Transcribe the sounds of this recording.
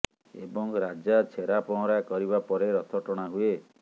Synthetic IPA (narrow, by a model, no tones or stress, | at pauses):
ḛbɔŋɾad͡ʒat͡ʃʰeɾapɔ̃ɔ̃ɾakɔɾibapɔɾeɾɔt̪ʰɔʈɔɽ̃aɦue